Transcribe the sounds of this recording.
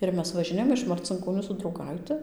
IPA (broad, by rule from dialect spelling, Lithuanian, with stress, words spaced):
ˈɪr mʲɛs ʋɐʒʲɪˈnʲeːjoːm ɪʃ mɐrʲt͡sʲɪŋkoːˈnʲuː sʊ drɐʊˈɡɐɪtʲɪ